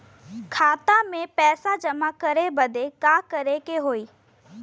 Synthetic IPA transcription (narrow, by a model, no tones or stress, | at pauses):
kʰaːt̪amẽpɛːsad͡ʒɐmakəɾebəd̪ʱekaːkəɾekeɦoːiː